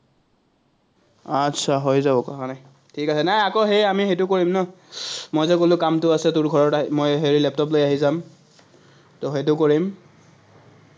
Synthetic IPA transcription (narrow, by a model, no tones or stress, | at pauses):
atːsʰaɦojzabɔkakanaj | tʰikasɛnajakoɦejamixejtʊkoɹimnɔ | mojzɛkolʊkamtʊasɛtʊɹɡʱɔɹɔtamojɦeɹilɛp̚tɔp̬lojaɦizam | toɦet̬ʊkoɹim